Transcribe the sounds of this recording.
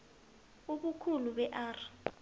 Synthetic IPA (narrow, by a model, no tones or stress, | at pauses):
uɓukʰuluɓɛʔaːrɔ